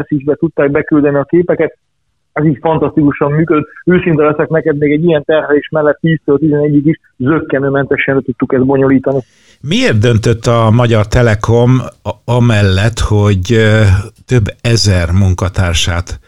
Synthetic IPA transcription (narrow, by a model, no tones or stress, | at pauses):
siʒbɛt̪ut̪ːaːɡ̚bɛkyld̪ɛniɒkeːpɛkɛt̪̚ | ɛziːcfɒnt̪ɒst̪ikuʃɒmmyːkød̪øt̪ːøːsint̪ɛlɛsɛknɛkɛd̪meːɡɛɟːijɛnt̪ɛrɦɛleːʃmɛlːɛt̪ːiːst̪øːlt̪izɛnɛɟːikiʃ | zøkːɛnøːmɛnt̪ɛʃːɛnlɛt̪ut̪ːukɛzd̪̚bo̞ɲo̞liːt̪ɒni | mieːrt̪d̪ø̞n̪t̪øt̪ːɒmɒɟɒrt̪ɛlɛko̞mɒmɛlːɛt̪ho̞ɟ | t̪øbːɛzɛrmuŋkɒt̪aːrʃa̰ːt̪